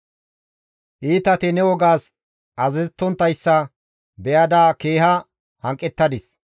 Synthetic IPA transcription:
ʔiːt̪ɐt̪ɪnɛwɔɡaːs | ʔɐzɛzt̪ːɔnt̪ːɐjsːɐ | bɛjɐd̪aːkeːɦɐ | hɐŋkʼːɛt̪ːɐd̪ɪs

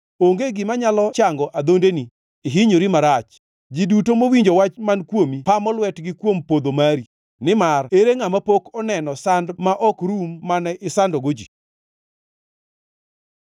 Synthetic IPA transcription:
oŋɡeɡɪmaɲalɔt͡ʃaŋɡɔʔad̪ondeniː | ɦiɲoɾimaɾat͡ʃ | d͡ʒidutomowiɲd͡ʒowat͡ʃmankwomipamɔlwɛtɡɪkwompod̪omaɾi | nɪmareɾeŋamapokɔnɛnɔsandmaʔɔkɾumːanɛʔɪsandɔɡod͡ʒi

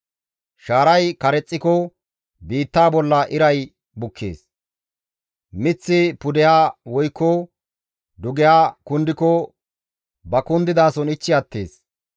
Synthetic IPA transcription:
ʃaːɾɐjkɐɾɛt͡sʼːɪkɔ | biːt̪ːaːbɔlːɐʔɪɾɐj | bʊkʰːe̞̰ːs | mɪt͡sːɪpʊd̪ɛjaːwɔjkːɔ | d̪ʊɡɛjaːkʊnd̪ɪkɔ | bɐkʊnd̪ɪd̪aːsɔnɪt͡ʃːɪɐt̪ːe̞̰ːs

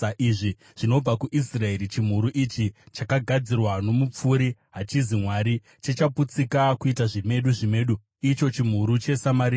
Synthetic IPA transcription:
ʔiʐi | ʐ̥ino̞b͡vakuʔisrae̞ɾit͡ʃim̤uɾuʔit͡ʃit͡ʃakaɡʱad͡zirwano̞mup͡fuɾiɦat͡ʃizimwaɾi | t͡ʃet͡ʃaput͡sikakuitaʐime̞ɗuʐime̞ːɗu | it͡ʃo̞t͡ʃim̤uɾut͡ʃe̞samaɾiː

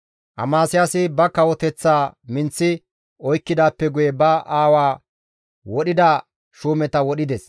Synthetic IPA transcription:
ʔɐ̰maːsɪjasɪbɐkɐwɔt̪ɛt͡sːaːmɪnt͡sːɪ | ɔjkːɪd̪aːpːɛɡʊjɛbɐʔaːwaː | wɔɗɪd̪a | ʃuːmɛt̪ɐwɔɗɪd̪ɛs

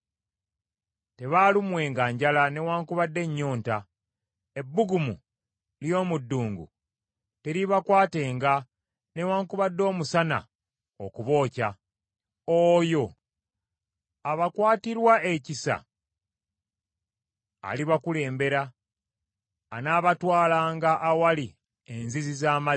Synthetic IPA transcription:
te̞βalumwe̞ːŋɡaːɲɟalane̞waːŋkuβadːe̞ɲːo̞ːnta | e̞bːuɡumu | ljo̞ːmudːuːŋɡṵ | teɾiβakwaːte̞ːŋɡa | ne̞waːŋkuβadːo̞ːmusana̰ | o̰kuβo̞ːca | ojo̞ | aβakwaːtiɾwaʔecisa̰ | a̰liβakule̞ːmbe̞ɾa | naːβatwaːlaːŋɡaʔːwali | enzizizaːma

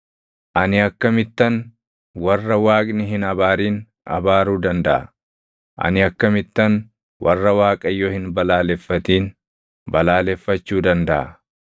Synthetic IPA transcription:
ʔɐnɪɐkːɐmɪt̪ːɐn | wɐrːɐwaːkʼnɪɦɪnɐbaːɾiːn | ʔɐ̰baːɾuːd̪ɐnd̪ɐʔɐ̰ | ʔɐ̰nɪɐkːɐmɪt̪ːɐn | wʔɐ̰rːɐwaːkʼɐjːoːhɪnbɐlaːlɛfːɐt̪iːn | bɐlaːlɛfːɐt͡ʃːuːd̪ɐnd̪ɐʔɐ

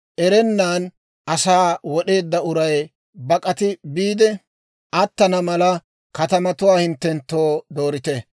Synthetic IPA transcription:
ʔɛɾɛnːaːn | ɐsaːwɔɗe̞ːd̪ːɐʊɾɐj | bɐkʼɐt̪ɪbiːd̪ɛ | ʔɐt̪ːɐnɐmɐlɐ | kɐt̪ɐmɐt̪ʊwaːhɪnt̪ːɛnt̪ːo̞ːd̪o̞ːɾɪt̪ɛ

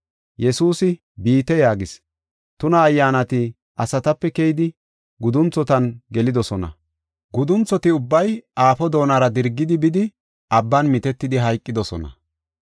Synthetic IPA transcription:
jɛsuːsɪ | biːt̪ɛjaːɡɪs | t̪ʊnɐːjːaːnɐt̪ɪ | ʔɐsɐt̪ɐpːɛkɛjɪd̪ɪ | ɡʊd̪ʊnt͡sːɔt̪ɐnɡɛlɪd̪ɔsɔnɐ̰ | ɡʊd̪ʊnt͡sːɔt̪ɪʊbːɐjaːfɔd̪o̞ːnaɾɐd̪ɪɾɡːɪd̪ɪbɪd̪ɪ | ɐbːɐnmɪt̪ɛt̪ːɪd̪ɪɦɐjkʼːɪd̪ɔsɔ̰nɐ̰

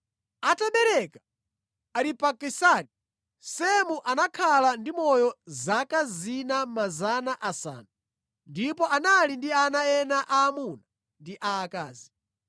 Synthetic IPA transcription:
ataɓɛɾɛkḁ | aɾipakisani | sɛmuʔanakʰalandimɔjɔzakazinamazanaʔasa̰ːnu | ndipɔʔanalindianaɛnaʔaːmuna | ndiʔaːka̰ːzi

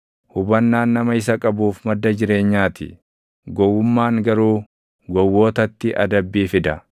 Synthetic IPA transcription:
hʊbɐnːaːnːɐmɐɪs̬ɐkʼɐbuːfmɐd̪ːɐd͡ʒɪɾe̞ːɲːaːt̪ɪ̰ | ɡɔwːʊmːaːŋɡɐɾuː | ɡɔwːo̞ːt̪ɐt̪ːɪʔɐ̰d̪ɐbːiːfɪd̪ɐ

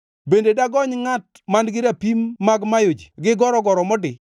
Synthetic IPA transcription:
bendedaɡɔɲŋat̚ | manɡɪɾapimːaɡmajod͡ʒiɡɪɡɔɾɔɡɔɾɔmɔdɪ

